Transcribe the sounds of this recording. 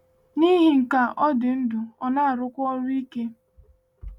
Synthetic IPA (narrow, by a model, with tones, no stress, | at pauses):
ni˦ɦi˦ŋ̩˨ka˨ʔɔ˦dɪ˨n̩˦du˨ɔ˦na˦a˨ɾʊ˦kʷʊ˦ɔ˦ɾʊ˦i˦ke˦